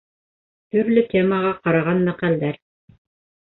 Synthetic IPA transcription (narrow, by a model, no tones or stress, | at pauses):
t̪ɵɾlɵt̪ʲeməʁɑqɑɾɑʁɑnmæqæld̪æɾ